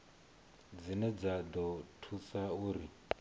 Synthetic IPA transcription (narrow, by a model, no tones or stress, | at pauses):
d͡zinɛd͡zad̪ɔtʰusauːɾi